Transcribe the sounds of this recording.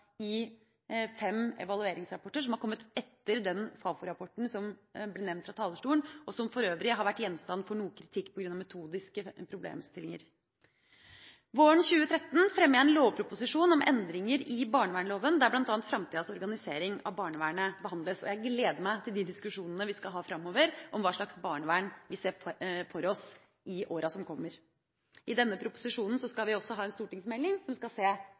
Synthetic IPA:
ɪ | fɛmɛ̰ʋɑlʉeːɾɪŋsɾɑpɔʈəʂ̬ɔmhɑɾkɔmːət̪ɛt̪ːəɾd̪ɛnfɑːfʊɾɑpʰɔʈɳ̩sɔmblɛːnɛʋnt̪fɾɑt̪ʰɑːləʂʈuːəɳɔsɔmfɔɾøːʋɾɪɦɑɾʋæʈːjɛnst̪ɑnːfɔɳuːəkʰɾɪt̪ʰɪkːpʰɔɡɾʉnɑʋmɛt̪ʰuːd̪ɪskəpʰɾʊblḛːmst̪ɪlɪŋə̰ɾ | ʋoːəɳçʉːət̪ʰɾɛt̪ːn̩fɾɛmːəæɛnloːʋpʰɾʊpʊsɪʂuːnɔmɛ̰nd̪ɾɪŋəɾɪbɑːɳəʋæːɳloːʋənd̪æblɑnt̪ɑːnt̪fɾɑmt̪iːd̪ɑsɔɾɡɑnɪseːɾɪŋɑ̰ʋbɑːɳəʋæːɳəbəhɑnd̪ləsɔ̰jæɪɡleːd̪əmæɪt̪ʰɪld̪ɪd̪ɪskʉʂuːnənəʋɪskɑɦɑːfɾɑmːoːʋəɾʔɔmʋɑːʂɭɑksbɑːɳəʋæːɳʋɪseːfɔɾɔs | ɪʔoːɾɑsɔmkʰɔmːəɾ | ʔɪd̪ɛnːəpʰɾʊpʊ̥sɪʂuːnn̩sɔskɑlʋɪɔsːɔɦɑːɛnst̪uːʈɪŋsmɛlːɪŋsɔmʋskɑseː

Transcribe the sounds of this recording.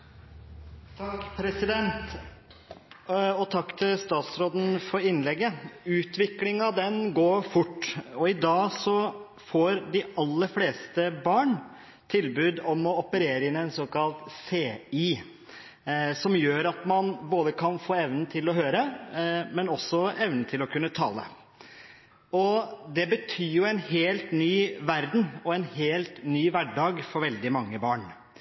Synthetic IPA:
t̪ʰɑkpʰɾɛsɪd̪ɛnt̪ | ɔt̪ʰɑkːt̪ʰɪlst̪ɑːt̪sɾoːd̪n̩fɔɾɪnːlɛɡːəʉːt̪ʋɪklɪŋɑʋd̪ɛnɡoːɾfʊʈːɔɪd̪ɑːsɔ | foːɾɖ̪ɪɑlːəɾfleːst̪əbɑːɳ | t̪ʰɪlbʉːd̪ɔmɔɔpəɾeːɾəɪnɛɪnsoːkɑlt̪seːiː | sɔmjøːɾɑt̪mɑnboːd̪əkʰɑnfoːɛʋnn̩t̪ʰɪlɔɦøːɾəmɛnɔsːɔɛʋnnt̪ʰɪlɔkʰʉnːət̪ʰɑ̰ːlə̰ | ɔd̪ɛbət̪ʰyːjʊɛɪnɦeːlt̪nyːʋæɾd̪n̩ɔɛnheːlt̪nyːʋæɖɑːɡfɔɾʋɛld̪ɪmɑŋːəbɑːɳ

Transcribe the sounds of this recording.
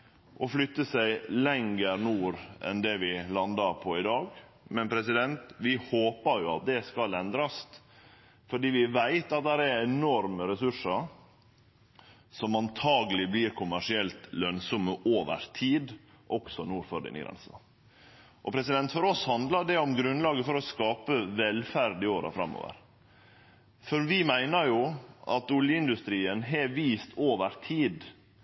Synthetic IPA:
ʔɔflʏt̪ːəsæɪlɛŋəɾnuːɾɛ̰nd̪ɛʋɪlɑnd̪ɑɾpʰɔɪd̪ɑːɡ | mɛnpʰɾɛsɪd̪ɛnt̪ʋɪhoːpəɾjʊɑ̰t̪̚d̪ɛskɑlɛnd̪ɾɑs | fɔɖiːʋɪʋæɪt̪ɑt̪̚d̪æɾæɛnɔɾməɾɛsʉʂəɾ | sɔmɑnt̪ʰɑːɡəlɪbliːɾkʰʊmæʂɪɛlt̪lœnsɔmːəʔoːʋə̰ɾt̪ʰiːd̪ | ʔɔksɔnuːɾfɔɖɪ̰nɪ̰ɡɾɛ̰nsɑ | ʔɔpʰɾɛsɪd̪ɛnt̪fɔɾɔshɑnd̪lɑɖɛɔmɡɾʉnlɑːɡəfɔɾɔskɑːpəʋɛlfæɾd̪ɪoːɾɑ̰fɾɑ̰mːo̰ːʋə̰ɾ | fɔɾʋɪmæɪnəɾjuʔɑ̰t̪ʊljəɪnd̪ʉst̪ɾiːənɦɛʋiːst̪ʰoːʋəɾt̪ʰiːd̪

